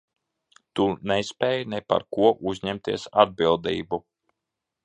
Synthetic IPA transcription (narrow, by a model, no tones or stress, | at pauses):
t̪unɛsʲpʲɛːjnɛpa̰ɾkuɔʔuzʲɲɛmt̪iɛsad̪̚bilˠd̪ḭːbu